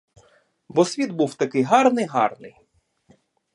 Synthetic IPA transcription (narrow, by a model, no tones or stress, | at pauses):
bɔsʲʋʲid̪buwt̪ɐkɪjɦɑrnɪjɦɑ̰rnɪ̰j